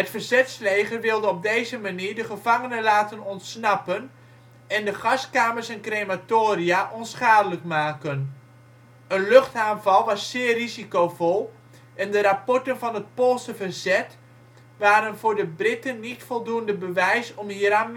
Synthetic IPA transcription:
ɦətfərzɛtslejχərʋɪlˠdəɔb̚dejzəmaniːɹdəχəv̥ɑŋənənlaːtənɔntsnɑpən | ɛndəχɑskaːməɹsɛnkrematoːɾiaʔɔnsχaːdələkmaːkən | ənlɵχtaːnvɑlˠʋɑsːɪːrizikowvɔlˠ | ʔɛndəɾɑpɔɹtənvɑnɦət̚polˠsəvərzɛt | ʋaːɾənvʊːɹdəbrɪtənːitfɔlˠduəndəbəʋɛjsɔmɦiːɾaːn

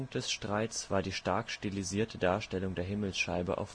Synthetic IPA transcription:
ŋd̥ɛsʃtʁ̥aɪtsv̥aːɐdiːʃtaɐkʃtiliziːɐtʰədaːɐʃtɛlʊŋdeːɐɦɪml̩sʃaɪbə̰ʔa̰ʊf

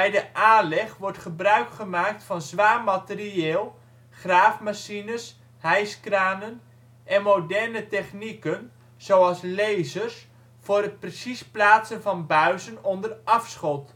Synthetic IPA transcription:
bɛjdəʔaːnlɛχʋɔɹtχəbrœɥkχəmaːk̚tfɑnzʋaːmatəriɪːlˠ | χraːfmasinəs | ɦɛjskraːnən | ʔɛnmodɛrnətɛχnikən | z̥owɑlˠslejzərs | vʊːɾɦət̚prəsisplaːtsənvɑnbœɥzənɔndərɑfsχɔt

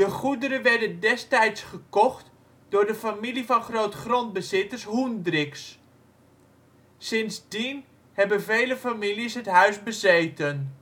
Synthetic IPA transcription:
dəχudəɾəʋɛɹdəndɛstɛjtsχəkɔχt | dʊːɹdəfamilivɑnχrowtχrɔnd̚bəzɪtəɹsɦundrɪks | sɪnzdin | hɛbənvejləfamilisɦətɦœɥzbəzejtən

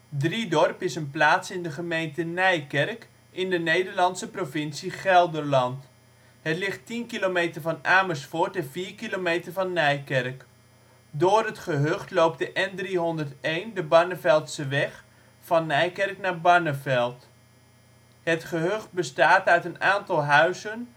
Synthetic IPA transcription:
dridɔrpɪsənplaːtsɪndəχəmejntənɛjkɛrk | ɪndənejdəɹlɑnsəprovɪnsiχɛlˠdərlɑnt | ɦətlɪχtinkilomejtərvɑnaːməɹsfʊːɹtɛnviːrkilomejtərvɑnːɛjkɛrk | dʊːrətχəɦøχtlowp̚təʔɛndriɦɔndəɹtejndəbɑɹnəvɛlˠtsəʋɛχ | fɑnːɛjkɛrknaːɹbɑɹnəvɛlˠt | hətχəɦøχ̚bəstaːtœɥtənaːntɑlˠɦœɥzən

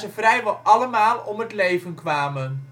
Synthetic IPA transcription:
zəvrɛjʋɔlʔɑləmaːlˠɔmɦətlejvənkʋaːmən

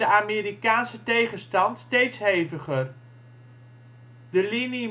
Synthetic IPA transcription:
əaːmeːɾikaːnsətejχəstɑntstejtsɦejvəχər | dəlini

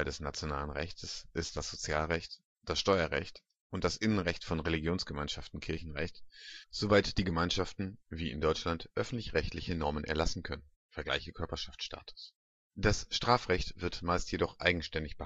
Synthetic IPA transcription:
ldɛsnat͡sjona̰ːlənʁɛ̰çtʰəsʔɪstd̥asz̥ot͡sjaːlʁɛçt | d̥asʃtɔʏɐʁɛ̰çt | ʔʊnt̚d̥asʔɪnənʁɛçtfɔnʁeliɡjoːnsɡ̥əmaɪnʃaftn̩kʰɪɐçn̩ʁɛçtz̥ovaɪtd̥iːɡəmaɪnʃaftn̩viːɪ̰ndɔʏt͡ʃlantʔœfn̩tlɪçʁɛçtlɪçənɔɐmənʔɛ̰ɐlasn̩kʰœnən | fɛɐɡla̰ɪçəkʰœɐpɐʃaft͡sʃta̰ːtʰʊ̥s | d̥asʃtʁ̥aːfʁɛçtv̥ɪɐtmaɪstjedɔχʔa̰ɪɡŋ̩ʃtɛndɪçb̥ə

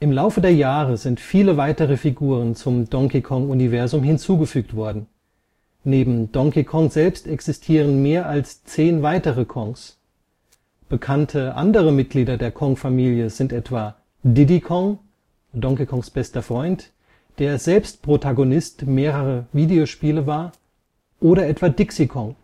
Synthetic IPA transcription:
ʔɪmlaʊfədeːɐjaːʁəzɪntfiːləvaɪtəʁ̞əfiɡuːʁ̞ənt͡sʊmd̥ɔŋkikʰɔŋunivɛɐzʊmɦɪnt͡suːɡəfyːktv̥ɔɐdn̩ | neːbm̩d̥ɔŋkikʰɔŋzɛlpstɛksɪstʰiːʁ̞ənmeːɐʔalst͡seːnvaɪtəʁəkʰɔŋs | b̥əkʰantʰəʔa̰ndəʁ̞əmɪt̚ɡ̥liːdɐdeːɐkʰɔŋfamiːljəzɪntʔɛtv̥aː | dɪdikʰɔŋ | dɔŋkikʰɔŋsb̥ɛstɐfʁ̥ɔʏnt | d̥eːɐzɛlpstpʁ̥otʰaɡonɪstmeːʁəʁəviːdeoʃpiːləvaːɐ | ʔoːɾɐʔɛtv̥aːdɪksikʰɔŋ

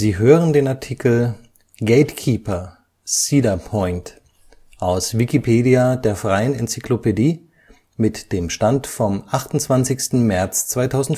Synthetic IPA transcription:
ziːɦøːʁəndeːnaɐtʰiːkl̩ | ɡeɪtkʰiːpɐ | siːdɐpʰɔʏnt | ʔaʊsvikipʰeːdiadeːɐfʁ̥aɪənɛnt͡siklopediː | mɪtd̥eːmʃtantfɔmʔaχtʊntt͡sv̥ant͡sɪçstn̩mɛɐt͡st͡sv̥aɪtʰaʊzn̩

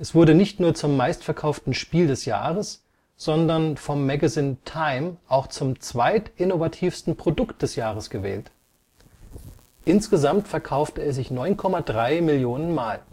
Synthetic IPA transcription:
ʔɛsv̥ʊɐdənɪçtnuːɐt͡sʊmːaɪstfɛɐkʰaʊftn̩ʃpiːldɛsja̰ːʁəs | z̥ɔndɐnfɔmːɛɡaziːntʰaɪmʔaʊxt͡sʊmt͡sv̥aɪtʔɪnovatʰiːfstn̩pʁ̥odʊkt̚d̥ɛsjaːʁəsɡ̥əvɛ̰ːlt | ʔɪnsɡ̥əzamtfɛɐkʰaʊftəɛɐzɪçnɔʏnkʰɔmadʁaɪmɪljoːnənmaːl

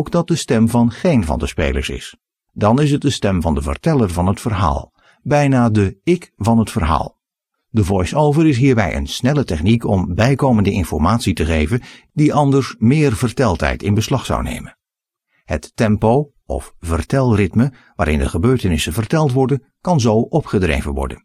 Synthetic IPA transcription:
owkdɑt̚dəstɛmvɑnχejnvɑ̰ndəspḛjlə̰ɹsɪ̰s | dɑnɪsət̚dəstɛmvɑndəvə̰rtɛlərvɑnɦətfərɦa̰ːlˠ | bɛjnaːdəɪkvɑnɦətfərɦa̰ːlˠ | dəvɔjsowvəɾɪs̬ɦiːɹbɛjʔə̰nsnɛlətɛχnikɔmbɛjkowməndəɪnfɔɹmaːtsitəχejvən | diʔɑndəɹsmɪːrvərtɛlˠtɦɛ̰jtɪnbəslɑχsɑ̰wnḛjmən | hətːɛmpow | ɔ̰fvərtɛlˠrɪtmə | ʋaːɾʔɪ̰ndə̰χəbøːɹtənɪsənvərtɛlˠtʋɔɹdən | kɑnzowʔɔpχədrḛjvənʋɔ̰ɹdə̰n

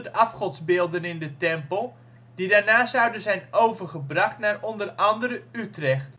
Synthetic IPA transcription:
dʔɑfχɔtzbɪːlˠdənɪndətɛmpəlˠ | didaːɹnaːszɑwdəzɛjnowvərχəbrɑχtnaːrɔndərɑndəɾəytrɛχt

